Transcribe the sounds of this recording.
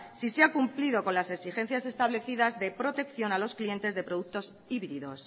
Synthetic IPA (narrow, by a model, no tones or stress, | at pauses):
siseakumpliðo̞ko̞nlase̞ksixe̞n̟θjase̞st̪aβle̞θiðazðe̞pɾo̞t̪e̞kθjo̞nalo̞sklie̞nt̪e̞zðe̞pɾoðuk̚t̪o̞s | iβɾiðo̞s